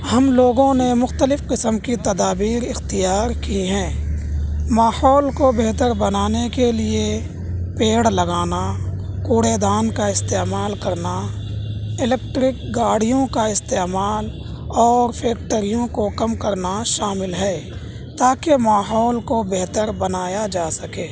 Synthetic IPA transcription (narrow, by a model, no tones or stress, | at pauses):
həmloːɡõnemʊxt̪əlɪfqɪsəmkit̪ɐd̪aːbiːɾɪxt̪ɪjaːɾkiɦɛ̃ː | maːhɔːlkobeɦt̪əɾbɐnaːnekelie | peːɽləɡaːna | kuːɽeːd̪aːnkaɪst̪eːmaːlkɐɾna | ɪlɛːk̚ʈɾɪk̚ɡaːɽ̤ijõkaɪst̪eːmaːl | ɔːɾpʰɛːk̚ʈəɾijõkokɐmkəɾnaʃaːmɪlɦɛː | t̪aːkemaːɦɔːlkobeɦt̪əɾbɐnaːjad͡ʒaːsɐkeː